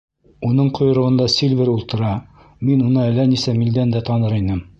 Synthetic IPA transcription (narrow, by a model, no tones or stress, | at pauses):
unɤɴqŏjŏɾŏʁɤ̆nd̪ɑsʲilʲvʲɘɾulˠt̪ɤ̆ɾɑ | minunɤælænisæmild̪ænd̪æt̪ɑnɤɾinɘm